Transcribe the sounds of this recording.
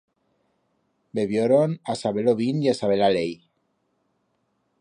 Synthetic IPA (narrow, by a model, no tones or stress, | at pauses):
beβjoɾonasaβeloβiniasaβelalej